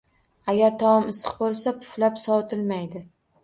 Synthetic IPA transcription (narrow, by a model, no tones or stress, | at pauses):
aɡʲaɾt̪ʰɒɒmɪsɨ̥qbolˠsapʰʊ̥flapsɒt̪ʰɪlmajd̪ɪ